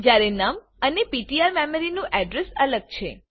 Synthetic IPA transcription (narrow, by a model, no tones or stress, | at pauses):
d͡ʒjaɾenəm | ənepiʈiaɾmeməɾinũʔɛɖɾesələɡ̚t͡ʃʰe